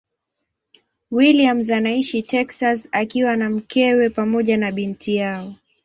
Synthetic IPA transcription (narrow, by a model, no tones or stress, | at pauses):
wiliamzanaiʃitɛksasakiwanam̩kɛwɛpamɔʄanaɓintʰijaɔ